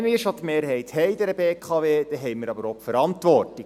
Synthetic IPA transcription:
nmiːʃot̪meːɾɦɛɪthɛɪd̪ɛɾəbeːkʰɑːʋeːd̪̥ɛɦɛɪmiːɾɑbəɾɔpfəɾɑntʋɔrti

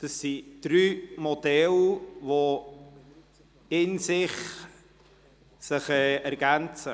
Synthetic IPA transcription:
d̥əsːid̥ɾyːmod̪ɛlvo | ɪnsɪχ | sɪχɛʔæɾɡænt͡sə

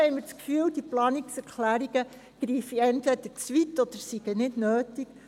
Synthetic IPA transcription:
ɛɪməɾt͡skfyːld̥iplɑːniksɛɾkʰlæːɾiɡ̥ə | ɡ̥ɾiːfiɛntʋɛdət͡sʋitɔd̥̪əɾsiɡ̥ənɪdnøːtik

